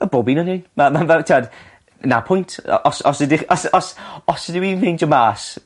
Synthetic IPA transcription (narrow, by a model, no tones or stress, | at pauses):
əbɔbinɔnɪnmamanvɛwtʰːad | na̰pʰʊjntʰɔ̰ʔɔsɔsɪdɪɔsɔsɔsədɪwinvend͡ʒəmaːs